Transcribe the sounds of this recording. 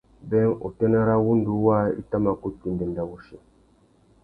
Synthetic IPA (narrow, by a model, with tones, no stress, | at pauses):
bɛ˦ŋo̰˨tɛ˦na˦ɾa˦wu˦ndu˨˦wa˦ḭ˦ta˦ma˨ko˦ti˨n˨de˨nda˨wu˨ʃe˨